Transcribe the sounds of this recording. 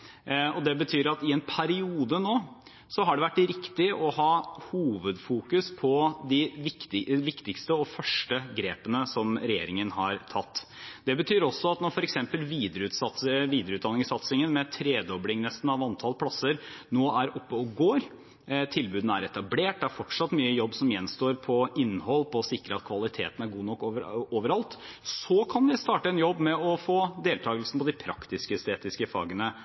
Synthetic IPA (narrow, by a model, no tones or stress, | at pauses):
ɔd̪ɛbət̪ʰyːɾɑt̪ɪɛnpʰæɾɪuːd̪ənoː | sɔɦɑɖɛʋæʈːɪɾɪkt̪ɪʔɔhɑːhuːʋəd̪fuːkʉspʰɔd̪ɪʋɪkt̪ɪʋɪkt̪ɪkst̪əɔfœʂʈəɡɾeːpənəsɔmɾɛjḛːɾɪŋənɦɑɾt̪ʰɑt̪ːd̪ɛbət̪ʰyːɾɔsːɔɑt̪nɔɾfɔɾɛksɛmpəlʋiːd̪əɾəʉːt̪sɑt̪ʋiːd̪ɾəʉːt̪d̪ɑnːɪŋsɑt̪sɪŋənmɛt̪ʰɾeːd̪ɔblɪŋnɛst̪n̩ɑʋɑnt̪ʰɑlpʰɽɑsːəɾnoːæɾɔpːəɔɡoːɾ | t̪ʰɪlbʉːd̪n̩æɾɛt̪ɑbleːʈ̚d̪ɛæɾfɔʈʂɑt̪ːmyːəjɔbːsɔmjɛnːst̪oːɾpʰɔɪnːhɔlːpʰɔːsɪkɾəɑt̪kʰʋɑlɪt̪ʰḛːt̪næɾɡuːnɔkːoːʋəɾɑlt̪ | sɔkʰɑnʋɪst̪ɑːʈəɛnjɔbːmɛɔfoːd̪eːlt̪ʰɑːɡəlsn̩pʰɔd̪ɪpʰɾɑ̰kt̪ɪskəst̪eːt̪ɪskəfɑ̰ːɡənə